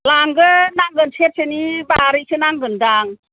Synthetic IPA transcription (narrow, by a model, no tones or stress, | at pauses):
laŋɡɯnaŋɡɯnsʰet̚senibaɾikʰɯnaŋɡɯndaŋ